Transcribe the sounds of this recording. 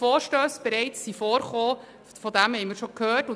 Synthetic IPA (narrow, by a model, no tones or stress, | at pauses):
foːɾʃtøːsb̥ɛɾɛɪt͡sːifɔːɾχoː | fɔdæmhɛjmɪːɾʃokhøːtʊ